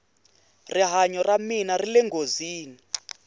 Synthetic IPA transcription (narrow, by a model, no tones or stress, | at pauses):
riɦaɲɔraminarilɛŋɡoziːni